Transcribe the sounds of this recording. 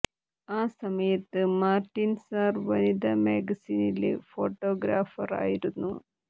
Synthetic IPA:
aːsɐmɐjɐt̪ːɨmaːrʈːinsarʋɐnid̪ʱɐmeːɡɐsiːnilḛfo̞ːʈːo̞ːɡɾaːfɐ̰ra̰ːjiɾunːu

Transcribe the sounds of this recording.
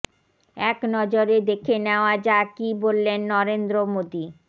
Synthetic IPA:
ɛknɔd͡ʑoɾed̪ekʰeneoad͡ʑakibolːenːɔɾend̪ɾomod̪i

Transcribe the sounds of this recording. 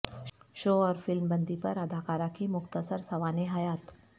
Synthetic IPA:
ʃoːɔːɾfɪlmbə̃nd̪ipɐɾɐd̪ʱaːkaːɾakimʊxt̪əsəɾsɐʋaːneɦaːjaːt̪

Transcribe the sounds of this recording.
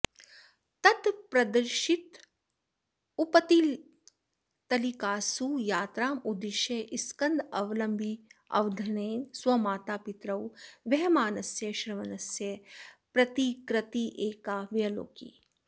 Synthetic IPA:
t̪ɐt̪pɾɐd̪ɐɾʃit̪ | upɐt̪iːl | t̪ɐlikaːsujaːt̪ɾaːmud̪iʃeʔiskɐnd̪ɐʋɐlɐmbʱiɐ̰ʋd̪ʱɐneːswɐmaːt̪aːpit̪ɾɐwʋɐɦmaːnɐsjɐʃɾɐʋɐnɐsjɐpɾɐt̪ikɾɐt̪iʔeːkaːʋjɐlo̰ːkḭː

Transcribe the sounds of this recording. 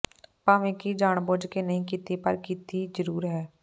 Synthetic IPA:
paːʋẽːkid͡ʒaːɳboːd͡ʒkeːnəɦĩːkiːt̪ipəɾkiːt̪iːzəɾuːɾɦɛː

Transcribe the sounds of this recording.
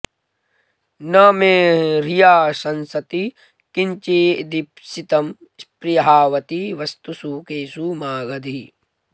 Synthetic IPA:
nɐmeːɾijaːsɐnsɐt̪i | kiɲt͡ʃeːd̪ipsit̪ɐmspɾijɐɦaːʋɐt̪iʋɐst̪usukeːsuːmaːɡɐd̪ʱi

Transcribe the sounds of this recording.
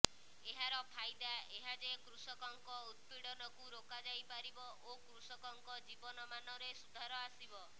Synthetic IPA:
eɦaɾɔpʰajd̪aeɦad͡ʒekɾusɔkɔŋkɔud̪̚piɽɔnɔkuɾokad͡ʒajpaɾibɔʔokɾusɔkɔŋkɔd͡ʒibɔnɔmanɔɾesud̪ʱaɾɔasibɔ

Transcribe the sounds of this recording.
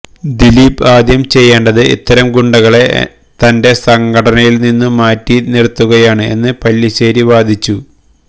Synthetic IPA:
d̪iliːbaːd̪jɐmt͡ɕe̞jːeːɳɖɐðɨḭt̪ːɐɾɐmɡuɳɖɐɣɐɭe̞ | t̪ɐnde̞sɐŋɡɐʈɐnɐjilninːumaːtːinirt̪ːuɣɐjaːɳɨe̞̰nːɨpɐlːiɕeːɾiʋaːd̪ʱit͡ɕːu

